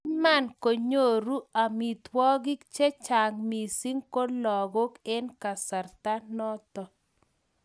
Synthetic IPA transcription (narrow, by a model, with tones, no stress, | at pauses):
ma˦˨nko˨ɲo˦˨ɾu˦a˨mi˨t̪wɔ˦ɡi˦kt͡ʃɛ˦t͡ʃa˨ŋmi˨si˦ŋko˦lɔ˨ɡo˦kɛ˦nka˨sa˨rt̪a˦nɔ˦t̪ɔ˨